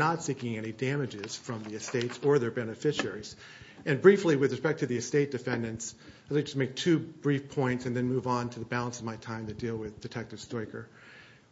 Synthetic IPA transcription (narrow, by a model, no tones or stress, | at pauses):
ətsikɪ̃ŋɛnidæmɨd͡ʒɪz̥fɹʌ̃mðiɨsteɪtsə˞ðə˞bɛnɨfɪʃɛɹiz̥ | ʔɨ̃nbɹifliwɨðɹɨspɛk̚tʰɨðiɨsteɪt̚d̥ɨfɛ̃ndɨ̃nts | ɪlaɪ̥d͡ʒʌsmeɪk̚tʰʉb̥ɹifpʰɔ̃ɪ̃ntsɨ̃nðɨ̃nmuvn̩tʰɨðəbælˠə̃nsʌvmaɪtʰãɪ̃mtɨdilˠwɪðdɨtʰɛk̚tɨv̥stɔɪkə˞